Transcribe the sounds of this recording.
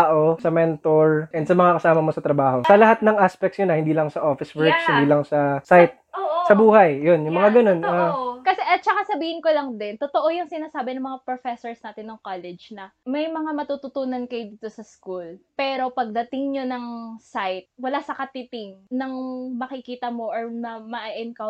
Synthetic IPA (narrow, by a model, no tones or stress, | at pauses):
aʔo̞sɐmɛnt̪oɹʔɛnd̪sɐmɐŋakɐsaːmɐmo̞sɐt̪ɾɐbaːho̞sɐlɐɦat̪̚nɐŋʔaspɛk̚t̪sjʊnɐhɪnd̪iːlɐŋsɐʔofɪswɛɹkshɪnd̪iːlɐŋsɐsajt̪̚ːsɐbuːhɐjːonjʊŋmɐŋaɡɐno̞nɐkɐsɛʔɐt̚t͡ʃɐkasɐbiːhɪnkolɐŋd̪ɪnt̪ot̪oʔo̞jʊŋsɪnaːsaːbɛnɐŋmɐŋapɾofɛsoɹsnaːt̪ɪnːɐŋkolɛd͡ʒnɐmɐjmɐŋamɐt̪uːt̪ʊt̪uːnɐnkɐjod̪iːt̪osɐskulpɛːɾo̞pɐɡ̚d̪ɐt̪ɪŋɲonɐŋsajt̪̚wɐlasɐkɐt̪ɪt̪ɪŋnɐŋmɐkɪkiːt̪ɐmo̞ʔɐɹmɐmɐʔaʔɛnkɐ